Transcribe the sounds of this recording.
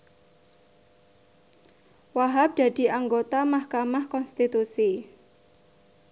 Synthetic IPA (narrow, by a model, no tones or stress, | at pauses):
waɦap̚d̪̥ä̤d̪̥i̤aŋɡot̪amahkamahkɔnst̪it̪usi